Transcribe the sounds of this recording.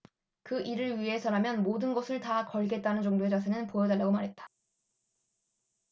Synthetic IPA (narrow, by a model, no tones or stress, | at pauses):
kɯʔiɾɯɭɥiɦe̞sʰʌɾamjʌnmodɯnɡʌsʰɯɭtakʌɭɡe̞t̚t͈anɯnd͡ʑʌŋdoe̞d͡ʑas̬ʰenɯnpojʌdaɭːaɡomaɾɦe̞t̚t͈ḁ